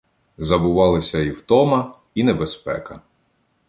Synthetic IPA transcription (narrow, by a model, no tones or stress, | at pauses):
zɐbʊʋɑlˠɪsʲɐiwt̪ɔmɐ | inebespɛ̰kɐ